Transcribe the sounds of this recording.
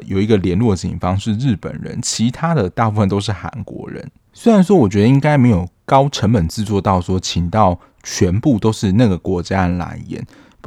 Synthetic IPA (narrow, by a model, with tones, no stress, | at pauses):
jo̰˨˩ʊi˧˥ɡə˧ljɛ˧˥nlwɔ˥˩t͡ɕḭ˨˩ŋfɑ˥ŋʂɻ̩˥˧ɻɻ̩˥˩pə̰˨˩nɻə̰˧˦˥nt͡ɕʰi˧˥t̪ʰa˥d̪ə˨t̪a˥˧pu˥˩ə˨˩nt̪o˥ʊʂ̬ɻ̩˥˩xa̰˧˥nkwɔ̰˧˥ɻə̰˧˦n | swe˥ɪɻa˧˥nʂ̬wɔ˥wɔ˨˩t͡ɕɥɛ˧˥d̪ə˧i˥ŋka˥ɪme˧˥ɪjo˨˩ʊkɑ˥ʊʈ͡ʂʰə˧˥ŋpə˨˩nt͡sɹ̩˥˧t͡swɔ˥˧t̪ɑ˥˩ʊswɔ˥t͡ɕʰi˨˩ŋt̪ɑ˥˩ʊ | t͡ɕʰɥɛ˧˥npu˥˨t̪o˥ʊʂɻ̩˥˧na˥˩ɡə˩kwɔ˧˥t͡ɕja˦˥la̰˧˥ɪjɛ̰˧˥˦n